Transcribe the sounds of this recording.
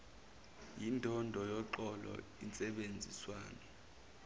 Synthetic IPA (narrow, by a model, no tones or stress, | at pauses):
jindʱɔndʱɔjɔǃɔlɔ̰ | int͡sʼɛɓend͡zʱiswaːnɛ